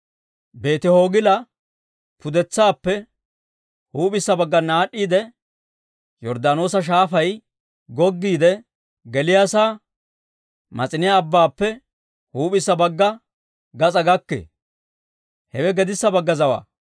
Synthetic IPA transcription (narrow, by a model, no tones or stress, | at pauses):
be̞ːt̪ɪho̞ːɡɪlɐ | pʊd̪ɛt͡sːaːpːɛ | huːpʼɪsːɐbɐɡːɐnaːɗːiːd̪ɛ | jɔɾd̪aːno̞ːsɐʃ̬aːfɐj | ɡɔɡːiːd̪ɛ | ɡɛlɪjaːsaː | mɐt͡sʼɪnɪjaːbːaːpːɛ | huːpɪsːɐbɐɡːɐ | ɡɐt͡sʼɐɡɐkːḛ | hɛwɛɡɛd̪ɪsːɐbɐɡːɐzɐwa̰ː